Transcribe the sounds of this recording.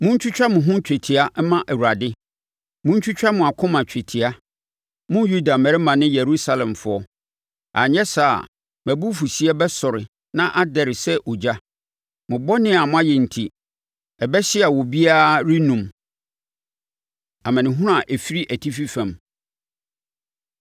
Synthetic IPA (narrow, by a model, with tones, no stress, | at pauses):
mʊ̃˦ɲ̩˦t͡ɕᶣʊ˦t͡ɕᶣa˦mʊ̃˨ɦʊ̃˦t͡ɕᶣe˨tʰi˨a˦mã˦ʔæ˨wu˨a˨dɪ˦ | mʊ̃˦ɲ̩˦t͡ɕʰᶣʊ˦t͡ɕᶣa˦mʊ̃˨a˨kʰʊ̃˦mã˨t͡ɕʰᶣɛ˨tʰi˨a˦ | mʊ̃˦ju˦da˨mɛ˨ɾɪ˦mã˨nɪ̃˦jɛ˨ɾu˦sa˦lɛ̃˨mfʊ˨˦ɔ˦ | ʔa̰˨ɲɛ̃˦sa̰˨ | mæ˨bu˦fu˨si˨˦ɛ˦bɛ˦sɔ˨ɾɪ˨ | nã˦ʔa˦dɛ˨ɾɪ˨sɛ˦ʔɔ˨d͡ʑa˦ | mʊ̃˨bɔ˦nɪ̃˦a˨mʊ̃˦a˦jɛ˨n̩˨tʰi˨ | ɛ˨bɛ˦ɕɪ˦a˨wɔ˨bi˦aː˦ɾi˦nũ˨m | a˨mɛ̃˨nɪ̃˨ɦʊ̃˦ʊ˦a˨ʔɛ˨fi˦ɾi˦ʔæ˨tʰi˦fi˦fã˨m